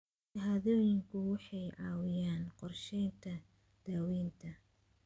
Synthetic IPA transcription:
ʃɐɦaːðɔːjɪŋkʰʊwɑħɑjʔɑːwɪjaːnqɔrʃɛjnt̪ʰɐ | d̪̥aːwiːnt̪ʰɐ

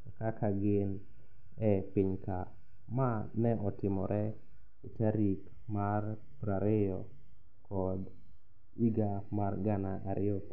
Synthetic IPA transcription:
kakaɡɪn | ɛpɪɲka | manɛɔtɪmɔɾʔɛ | utaɾik | mar | pɾaɾɪjɔ | kɔd | iɡamarɡanaʔaɾɪjɔ

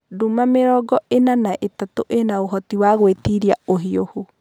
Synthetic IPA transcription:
dumameɾɔɡɔʔenanaʔetatoʔenaoɦɔtiwaɣwetiɾiaoɦiohu

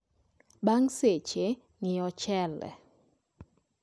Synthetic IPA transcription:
baŋset͡ʃe | ŋɪɔt͡ʃɛlɛ̰

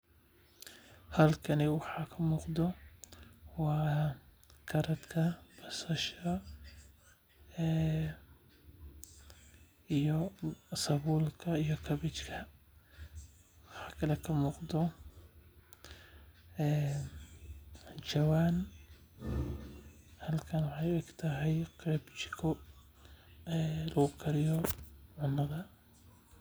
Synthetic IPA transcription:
halkaniwħakʰamʊqd̪o | wa | kɑɾˤat̪kʰab̥asaʃa | ɪjosɑbuːlkaɪjokabɪt͡ʃkʰa | wɑħɑkʰɐlɛkʰɐmuːqd̪ɔ | ɛː | t͡ʃɐwaːn | hɐlkʰɐnwɑħɑjɛɡt̪ʰɐɦɛjqʰɾɛbt͡ʃɪkʰɔ | ɛːlɐɣʊkʰɐɾɪjɔʕʊnːɐðɐ

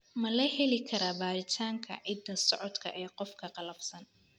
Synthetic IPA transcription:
mɐlɐhɛlɪkʰɐɾaːbaːɾɪt̪ʰaːŋkʰɐ̰ʕɪd̪ːɐsɔʕɔd̪kʰɐ̰ʔɛːqɔfkʰɐqɑlɐbsɐn

